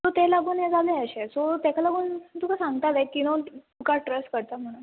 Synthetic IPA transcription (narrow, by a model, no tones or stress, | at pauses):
sot̪ɛlaɡuːnjad͡zaleəɕesot̪akʰalaɡuːnt̪ukasãŋɡ̚t̪at̪ekinot̪ukaʈɾəsʈkəɾt̪am̤əɽ̃u